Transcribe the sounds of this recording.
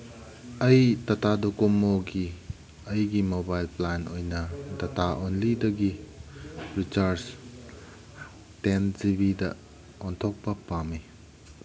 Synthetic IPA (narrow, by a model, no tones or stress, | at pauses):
ɐjtɐtadokomoɡi | ɐjɡimobajlplanojnɐdɐtaʔonlidɐɡi | ɾit͡ʃaɾs | tenzibidɐ̰ | ɔntʰok̚pɐpami